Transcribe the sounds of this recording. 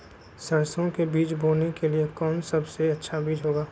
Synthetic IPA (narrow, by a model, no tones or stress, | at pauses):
sɐɾsõkebiːt͡ʃbʱoːnekeliekɔːnsɐbseɐtːʃʰabiːd͡ʒɦoːɡaː